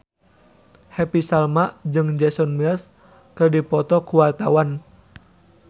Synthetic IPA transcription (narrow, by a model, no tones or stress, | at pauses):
hɛpisalmaʔd͡ʒɨŋd͡ʒɛsɔnmis | kɨrdipɔt̪ɔkuwart̪awan